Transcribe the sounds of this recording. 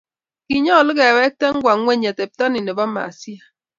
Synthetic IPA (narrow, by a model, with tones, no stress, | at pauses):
ki˨ɲɔ˦˨lɪ˦kɛ˨wɛ˦k̚te˦ŋ̩˦ɡʷa˨˦e˦ɲe˨te˨p̚ta˦ni˨ne˨ba˦ma̰˨si˦a˨